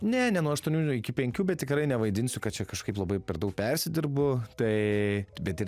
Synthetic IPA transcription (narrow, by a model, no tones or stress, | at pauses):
nʲɛnʲɛnuɔɐʃt̪uɔnʲuːɪkʲɪpʲɛŋʲkʲuːbʲɛt̪̚t̪ʲɪkɾɐɪnʲɛʋɐɪd̪ʲɪnʲsʲʊkɐt̪̚t͡ʃʲɛkɐʃkɐɪplˠɐbɐɪpʲɛɾd̪ɐʊk̚pʲɛrʲsʲɪd̪ʲɪrbʊt̪ɐɪbʲɛt̪ɪr